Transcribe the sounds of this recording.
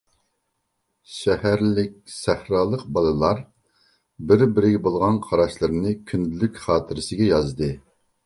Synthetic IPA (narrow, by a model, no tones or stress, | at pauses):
ʃɛhæɾlɪkʲsæhɾɑːlˠəq̚bɑlˠɨlˠɑɾ | bɪɾbɪɾɪɡʲɛbolˠʁɑnqʰɑɾɑʃlˠɨɾɨnɨkʲʰynd̪lykʲχɑːt̪ʰɪɾɪsɪɡʲɛjɑzd̪ɨ